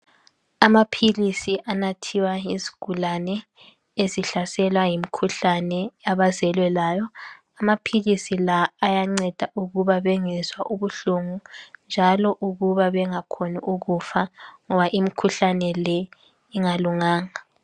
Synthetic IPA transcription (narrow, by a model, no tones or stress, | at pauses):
amapʰilisiʔanatʰiwaizi̥ɡ̥ʱulanɛ | eziɬasɛlwajimikʰuɬanɛaβazɛlwɛlaːjɔ | amapʰilisilaːjaŋ͡ǀɛd̥ʱaʔuɣuβaβɛŋɛzwaʔuβuɬuŋund͡ʒʱalɔʔuɣuβaβɛŋakʰoniʔuɣufaŋɔβaʔimikʰuɬanɛlɛ | iŋaluŋaːŋa